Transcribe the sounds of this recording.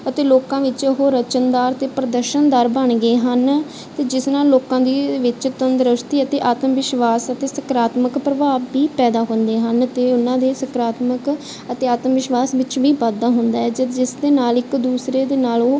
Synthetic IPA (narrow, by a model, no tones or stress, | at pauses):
ət̪eːloːkãːʋɪt͡ʃʊɦoːɾət͡ʃənd̪aːɾt̪eːpɾəd̪əɾʃənd̪aːɾbəɳɡəeːɦən | t̪eːd͡ʒɪsnãːloːkãːd̪iːʋɪt͡ʃt̪ənd̪ɾəʃt̪iːət̪eːʔaːt̪mʋɪʃʋaːsət̪eːsəkɾaːt̪məkpɾəbaːʋːiːpɛːd̪aːɦʊ̃nd̪eːɦənt̪eːʊnãːd̪eːsəkɾaːt̪mək | ət̪eːaːt̪mʋɪʃʋaːsʋɪt͡ʃʋiːpaːd̪aːɦʊnd̪aːɛːd͡ʒd͡ʒɪsd̪eːnaːlɪkd̪uːsɾeːd̪eːnaːlː